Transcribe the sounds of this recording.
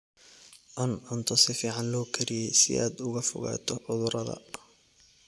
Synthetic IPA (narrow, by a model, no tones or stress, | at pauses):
ʔɐnʕʊnt̪ʰɔsɪfiːʕɑnlɔːkʰɐɾɪjɛjsɪ̰ʔaːd̪ʊɣɐfʊ̰ɣa̰ːt̪ʰɔʕʊðʊɾɐðɐ̰